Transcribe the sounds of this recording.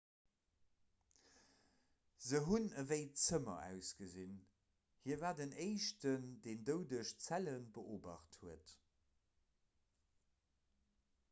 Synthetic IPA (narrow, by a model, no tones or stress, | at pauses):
zəɦunəveɪt͡səmɐ̰ʔæ̰ʊsɡ̥əzin | hiːɐvaːdəneɪʃtəndeːndəʊdəʃt͡sælənbəʔoːbɑ̰χthuət